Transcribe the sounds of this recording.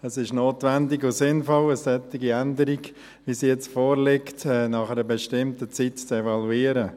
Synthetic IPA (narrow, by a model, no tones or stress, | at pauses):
əsɪʃnoːtvɛndɪɡosɪnfɔləsɛt̪ɪɡiɛndəɾiɡ | ʋisijɛt͡sfoːɾlɪktɛnɑχɛɾəbɛʃtɪmtət͡sitt͡sɛvɑluiːɾə